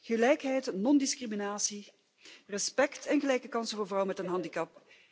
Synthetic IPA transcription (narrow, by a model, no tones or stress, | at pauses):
ɣəlɛjkɦɛjtnɔndiskriminaːsi | rɛspɛktɛnɣəlɛjkəkɑnsəvoːrvrɑwmɛtənɦɑndikɑp̚